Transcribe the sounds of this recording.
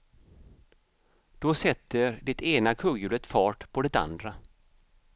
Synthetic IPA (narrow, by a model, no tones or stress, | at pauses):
d̪̥ɔsɛt̪ːəɾd̪ɛt̪ʰeːnakʰɵɡjʉ̟ːlət̪fɑːʈpʰɔd̪ɛt̪a̰nd̪ɾa